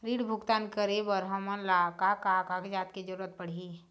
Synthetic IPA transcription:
ɾiːɽbʱʊɡt̪aːnkəɾebəɾɦɐmənlakakakaked͡ʒaːt̪ked͡ʒəɾuːɾət̪̚pɐɽ̤i

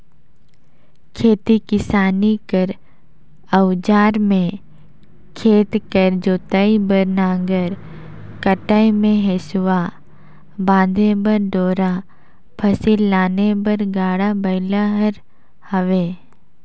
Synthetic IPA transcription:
kʰeːt̪ikɪsaːnikəɾ | əwd͡ʒaːɾmẽ | kʰeːt̪kəɾd͡ʒoːt̪aibəɾnaːɡəɾ | kəʈaimẽɦesʊwa | bãːd̪ʱebəɾɖoːɾa | pʰɐsilːaːnebəɾɡaːɽabɐɪlaɦəɾ | həʋeː

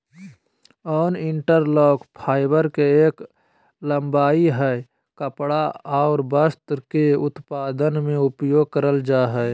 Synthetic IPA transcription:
ɔːnɪɳʈəɾlɔːkpʰaːɪbəɾkeeːk | ləmbaːiɦɛ | kəpɽaaːɾbəst̪keʊt̪paːd̪ənmẽʊpjoːɡ̚kəɾəld͡ʒaːɦɛ

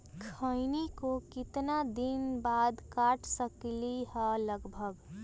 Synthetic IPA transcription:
kʰəɪnikokɪt̪nad̪inbaːd̪kaʈʰsəkliɦɛləɡbʱəɡ

